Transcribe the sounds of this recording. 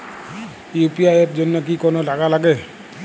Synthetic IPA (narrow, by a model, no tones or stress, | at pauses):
iupiaɛp̚zɔnːɔk̬ikɔnɔlaɡalaɡɛ